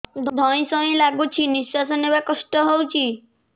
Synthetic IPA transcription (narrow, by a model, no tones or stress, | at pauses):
d̪ʱd̪ʱɔĩsɔĩlaɡut͡ʃʰinisːasɔnebakɔsʈɔɦowt͡ʃʰi